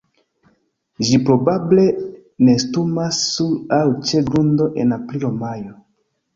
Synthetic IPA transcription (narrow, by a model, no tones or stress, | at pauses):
ʒipɾobable̞ | nestumasːuɾawt͡ʃeɡundoʔḛnapliomajo